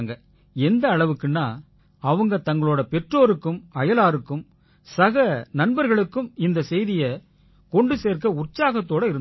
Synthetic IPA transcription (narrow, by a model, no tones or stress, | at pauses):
ŋɡɐ | ɛnd̪ɐːɭɐʋɯkːɯnːaː | ɐʋɐŋɡɐt̪ɐŋɡɐɭoːɽɐpɛʈroːɾɯkːɯmɐjɐlaːɾɯkːɯm | sɐɣɐnɐnbɐɾɣɐɭɯkːɯmɪnd̪ɐsɛjðɪjɐ | kɔɳɖɯseːɾkɐʊrt͡ʃaːɣɐt̪ːoːɽɐɪɾɯn